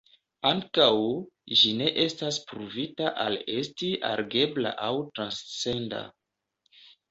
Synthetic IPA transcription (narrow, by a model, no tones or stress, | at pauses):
aŋkawʒine̞ʔe̞staspɾuvitaʔale̞stiʔa̰ɾɡe̞bla̰ʔawtɾanst͡se̞nda̰